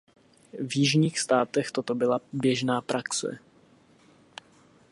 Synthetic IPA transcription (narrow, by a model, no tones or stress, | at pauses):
vjɪʒɲiːxst̪aːt̪ɛxt̪o̞t̪o̞bɪlabjɛʒnaːpɾaksɛ̰